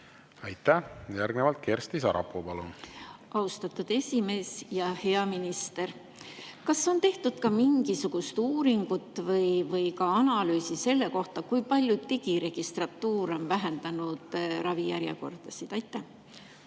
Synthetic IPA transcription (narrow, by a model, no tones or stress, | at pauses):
ɑjt̪ˑːæjæɾɡnevɑlt̪̚kʰeːɾst̪isɑɾɑ̰pːˑopɑlunɑust̪ɑt̪ːˑud̪̥e̞sʲime̞ːsjɑhe̞ɑminist̪e̞r | kɑso̞nt̪e̞ht̪ud̪̥kɑmiŋɡisuɡ̥ust̪uːɾiŋɡ̥ut̪ːˑvɤjvɤjkɑɑnɑlyːsise̞lːe̞ko̞ht̪ɑkujpɑlʲjud̪t̪iɡiɾe̞ɡ̥ist̪rɑt̪ːuːɾo̞nvæɦe̞nd̪̥ɑnud̪̥ɾɑvijæɾjɑ̰ko̞̰rd̪̥ɑsid̪̥ɑjt̪ːˑæh